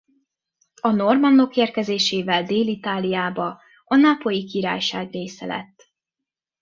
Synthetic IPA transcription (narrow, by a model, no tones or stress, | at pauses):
ɒno̞rmɒnːo̞keːrkɛzeːʃeːvɛld̪eːlit̪aːlijaːbɒ | ɒnapo̞jikiɾa̰ːjʃaːɡreːsɛ̰lɛ̰t̪ː